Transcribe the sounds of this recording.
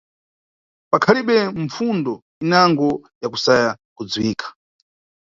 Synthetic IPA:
pakʰaliɓɛmfundɔ | inaŋɡɔjakusaja | kud͡zwiːkʰḁ

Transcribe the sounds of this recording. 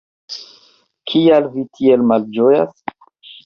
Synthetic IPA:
kʰialvitʰielmald͡ʒojas

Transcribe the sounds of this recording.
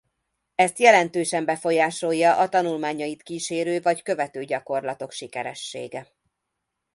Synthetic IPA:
ɛst̪jɛlɛnt̪øːʃɛmbɛfo̞jaːʃo̞jːɒʔɒt̪ɒnulmaːɲɒjit̪kiːʃeːɾøːvɒckø̞vɛt̪øːɟɒko̞rlɒt̪o̞kʃikɛɾɛʃːḛːɡɛ

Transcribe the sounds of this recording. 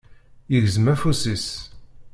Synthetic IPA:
jəʝzmæfusis

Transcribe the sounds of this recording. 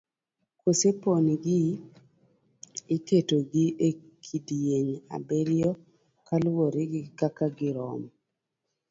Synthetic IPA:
koseponiɡɪ | ɪketoɡiʔe | kʰidjeɲa̰beɾjɔ | kalwoɾɪɡɪkakaɡɪɾɔ̰m

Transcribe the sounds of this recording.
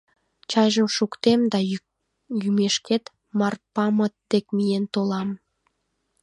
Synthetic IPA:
t͡ɕɑjʒəmʃukt̪emd̪ɑ | jymeʃket̪ | mɑrpɑmət̪̚d̪ekmijent̪olɑm

